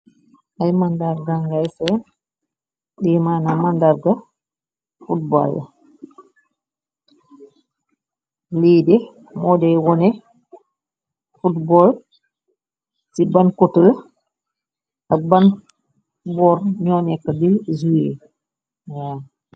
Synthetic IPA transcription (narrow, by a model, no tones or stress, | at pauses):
ʔajmandaɾɡaŋɡajsɛn | dɛmanamandaɾɡa | fut̚ba̰lːa̰ | liːdɛ | mɔdɛwɔnɛ | futbɔl | sibankɔtul | aban | bɔɾɲɔːnɛkːadizue | wa